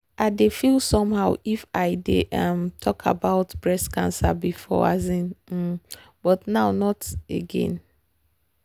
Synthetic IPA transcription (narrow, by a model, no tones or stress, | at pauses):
aɪdefilsɔ̃mhaʊifaɪdeʔamtʰɔkʰa̰baʊtb̥ɹɛskʰãnsa̰bifɔ̰a̰zĩn̩ | b̥ɔtnaʊnɔtḛɡɛ̰̃n